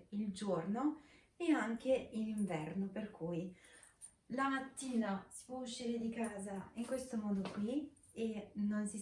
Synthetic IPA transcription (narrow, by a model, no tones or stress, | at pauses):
ild͡ʒorno | eaŋk̟eiliɱvɛrnoperkʰuj | lamat̪ːiːnasi̥pwɔuʃːiːɾed̪ikaːzaiŋkwest̪omɔːd̪okwi | enːonsi